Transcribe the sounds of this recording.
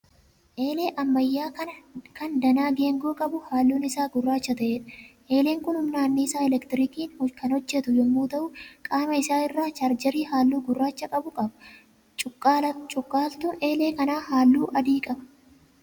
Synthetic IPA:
ʔeːle̞ːʔɐmːɐjːaːɐkɐnd̪ɐnaːɡe̞ːŋɡoːkʼɐbʊhaːlːuːnɪsaːɡʊrːaːt͡ʃːɐt̪ɐʔeːᶑɐ̥ʔe̞ːle̞ːŋkʊnhʊmnaːnːiːsaːɛlɛkt̪ɪɾiːkiːnhkɐnhɔd͡ʒːɛt̪ʊjɔmːuːt̪ɐʔʊkʼaːmɐɪsaːɪrːaːt͡ʃɐɾd͡ʒɐɾiːhaːlːuːɡʊrːaːt͡ʃːɐkʼɐbʊkʼɐbɐ | t͡ʃʼʊkʼːt͡ʃʼʊkʼːaːlt̪ʊnʔe̞ːleːkɐnaːhaːlːuːʔɐd̪iːkʼɐbɐ

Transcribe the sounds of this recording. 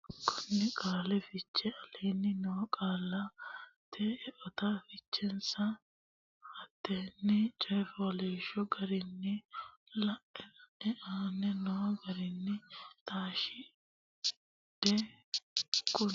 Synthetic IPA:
kʰʊnːɪkʼaːlɛfɪt͡ʃːɛɐleːnːɪnɔwɔkʼaːlːɐt̪ʰɛɛʔɔt̪afɪt͡ʃːɛnsɐ | hɐd̪ːɛnːɪt͡ʃʼɛfɔleːʃɔɡɐɾɪnːɪlɐʔɛɛʔaːnɛnɔwɡɐɾɪnːɪt̪aːʃɪ | d̪̥ɛ | kʼʊ

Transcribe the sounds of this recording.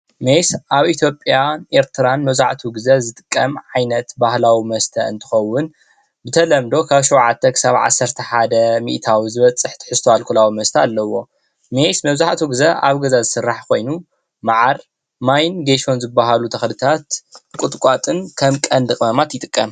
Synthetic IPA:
mejsʔaβʔit̪ʰjo̞pʼjaʔeɾt̪ʰɨɾanmɐβzaʕt̪ʰuɡɨzɐzɨt̪ʼɨ̥kʼːɐmʕajnɐt̪bahlawimɐst̪ʰɐɨ̰nt̪ʰɨ̥xɐwːʊn | bɨt̪ʰɐlɐmd̪o̞kʰaβʃuwʕat̪ʰːɐkʰɨ̥saβʕa̰sːɐɾt̪ʰɐħad̪ɐmḭʔt̪ʰawizɨβɐt͡sʼːɨħt̪ʰɨ̥ħɨst̪ʰoalkʰulawimɐst̪ʰɐalːɐwo̞ | mejsmɐβzaʕt̪ʰuɡɨzɐʔa̰βɡɐzazɨsɨrːaħkʰo̞jnu | maʕaɾ | majnɡeʃo̞nzɨbːaɦalut̪ʰɐxlɨt̪ʰat̪kʷʼʊt̪ʼkʷʼat̪ʼɨnkʰɐmkʼɐnd̪ɨkʼmɐmat̪jɪt̪ʼɨkʼːɐm

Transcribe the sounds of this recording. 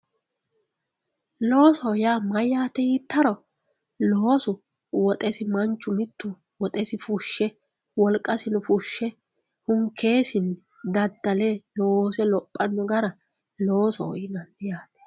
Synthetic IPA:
lo̞ːsɔjaːmɐjaːt̪ːɛjiːt̪ːɐɾɔ | lo̞ːsʊ | wɔt̪ʼɛsɪmɐnt͡ʃːʊmɪt̪ʰːʊ | wɔt̪ʼɛsɪfʊʃːɛ | wɔlkʼːɐsɪnʊfʊʃːɛ | hʊmkʰe̞ːsɪn | d̪ɐd̪ːɐlɛlosɛlɔpʼːɐnːɔɡɐɾɐ | lo̞ːsɔ̰ɔ̰jɪnɐnjaːt̪ɛ̥

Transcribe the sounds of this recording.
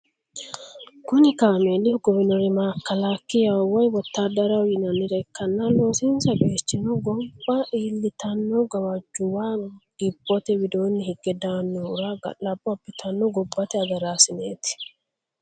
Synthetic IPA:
kʊnɪkaːmeːlːɪɡɔbɪnɔɾɪmaːkːɐlaːkːɪjɐwɐjwɔt̪ːaːd̪ɐɾɐwjɪnɐnɪɾɛkːɐnːɐloːsɪnsɐɡeːt͡ʃːɪnɔɡɔbːɐʔiːlːɪt̪ɐnːɔɡɐwɐd͡ʒːʊwaːɡ̥ɪbːɔt̪ɛwɪd̪oːnːɪhɪɡ̥ːɛd̪aːnːɔʊɾaːɡɐ̰lɐbɔɐbːɪt̪ʰɐnːɔɡɔbːɐt̪ɛɐɡɐɾaːsɪneːt̪ɪ̥

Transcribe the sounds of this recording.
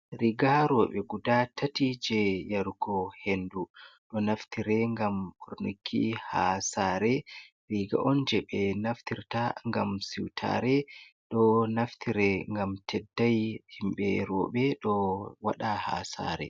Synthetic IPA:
ɾiɡaɾɔːɓɛɡudatʰatid͡ʒɛjaɾuɡɔhenduɗɔnaftiɾɛŋɡamɓoɾnikʰːihasaːɾɛ | ɾiɡa̰ʔɔnd͡ʒɛɓɛnaftiɾtaŋɡamsiwtʰa̰ɾɛɗɔnaftʰiɾɛŋɡamtʰɛdːajhimɓɛɾɔ̰ːɓɛɗɔwaɗaha̰sa̰ːɾɛ̰

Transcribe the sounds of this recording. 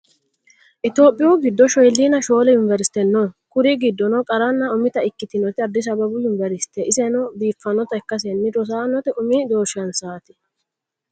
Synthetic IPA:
ʔɪt̪o̞ːpʼːɪjʊɡɪd̪ːɔʃɔjlːinɐʃo̞ːlɛjʊnvɛɾɪsɪ̥t̪ɛnːɔnkʊɾiɡɪd̪ːɔnɔkʼɐɾɐnːɐʊmɪt̪ɐɪkːɪt̪ɪnɔt̪ɪɐd̪ːɪs̬ɐbɐbʊjʊnvɛɾɪsɪ̥t̪ːɛʔɪsɛnɔbiːfːɐnɔt̪ɐɛkːɐs̬ɛnːɪd̪ɔs̬aːnːɔt̪ɛʔʊmid̪o̞ːʃɐnsaːt̪ɪ̥

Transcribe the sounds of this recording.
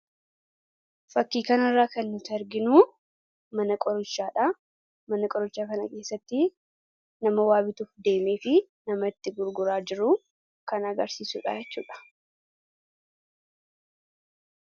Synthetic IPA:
fɐkːiːkɐnɐrːaːkɐnːʊt̪ɐɾɡɪnuː | mɐnɐkʼɔɾʊt͡ʃːaːᶑɐ | mɐnɐkʼɔɾʊt͡ʃːaːkɐnɐke̞ːsːɐt̪ːɪ | nɐmɐwaːbɪt̪uːfd̪e̞ːme̞ːfɪnɐmɐɪt̪ːɪɡʊɾɡʊɾaːd͡ʒɪɾʊ | kɐnɐɡɐɾsiːsuːᶑa̰ːjɛt͡ʃːuːᶑɐ̥

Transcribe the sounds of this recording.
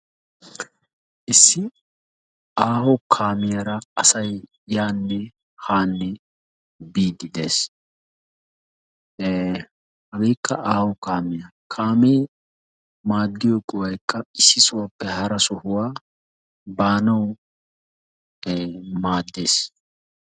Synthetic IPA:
ʔɪsːɪ | aːhɔkʰaːmɪjɐɾɐɐsɐj | jaːnːɛ | haːnːɛ | biːd̪ɪd̪e̞ːs | hɐɡɛjkːɐʔaːhɔkaːmɪjɐkʰaːmeː | maːd̪ːɪjɔkʼɔwɐjkːɐɪsːɪsʊwapːɛhɐɾɐsɔhʊwaː | baːnɐw | maːd̪ːeːs

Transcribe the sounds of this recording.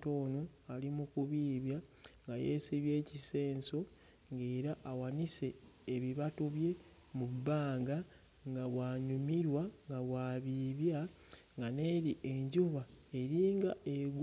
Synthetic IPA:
toːnoalimukuβiːβjaŋɡaje̞̰ːsiβje̞ːcise̞ːnso̞ | ŋɡe̞ːɾaʔːwanise̞ːβiβatuβje̞ | mubaːŋɡa | ŋɡaβwaːɲumiɾwaŋɡaβwaːβiβja | ŋɡane̞ːɾiʔe̞ɲɟuβae̞ɾiːŋɡaeɡ

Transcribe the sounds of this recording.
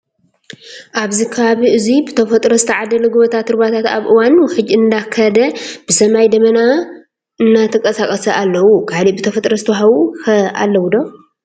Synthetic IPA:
ʔaβzikʰɐβaβiʔɨzibɨt̪ʰɐfɐt̪ʼɾɐst̪ʰiʕad̪ɐlɐɡɨβot̪ʰat̪ːɨɾbat̪ʰat̪a̰βʔɨwanwħɨd͡ʒːɨnd̪akʰɐd̪ɐb̥ɨsɐmajd̪ɐmɐna | ɨnːat̪ʰɐkʼɐsakʼɐsɐʔalːɐwukʰalibɨt̪ʰɐfɐt̪ʼɾɐst̪ʰɦawuhɐʔa̰lːɐwud̪o

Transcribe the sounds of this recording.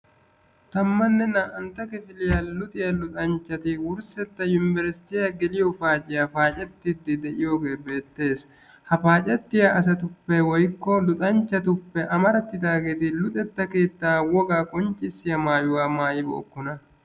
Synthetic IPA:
t̪ɐmːɐnːɛnɐʔɐnt̪ɐkɛfɪlɪjalʊt̪ʼɪjɐlʊt̪ʼɐnt͡ʃːɐt̪ɪwʊɾsɛt̪ːɐjʊnɪvɛɾsɪ̥t̪ɪjaɡɛlɪjɔfaːt͡ʃʼɪjafaːt͡ʃʼɛt̪ːɪd̪ːɪd̪ɛʔɪjoːɡe̞ːbe̞ːt̪ːe̞ːs | hɐfaːt͡ʃʼɛt̪ːɪjaʔɐs̬ɐt̪ʊpːɛwɔjkːɔlʊt̪ʼɐnt͡ʃːɐt̪ʊpːɛʔɐmɐɾɐt̪ːɪd̪aːɡeːt̪ɪlʊt̪ʼɛt̪ːɐke̞ːt̪ːaːwɔɡaːkʼɔnt͡ʃʼːɪsɪjɐmaːjʊwaːmaːjɪbo̰ʔːkːʊnɐ

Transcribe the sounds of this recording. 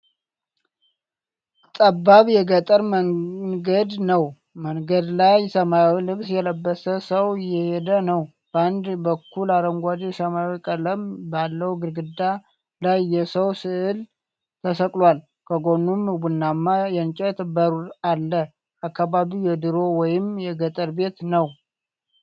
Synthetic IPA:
t̪ʼabːaβjɛɡət̪ʼəɾməɡəd̪nəw | məŋɡəd̪lajsəmawilɨβsjɛləbːəsəsəwɪjɛhed̪ənəw | b̥əand̪bəkːulaɾəŋɡʷad̪isəmawikʼələmbalːəwuɡɨɾɡɨd̪a | lajːɛsəwsɨʔɨl | t̪ʰəsəkʼlwal | kʰəɡo̞nːumwunːamːajɛnt͡ʃʼɛt̪bəɾuɾalːə | akːaβaβijɛd̪ɨɾo̞wɔjɪmjɛɡət̪ʼəɾbe̞t̪nəw

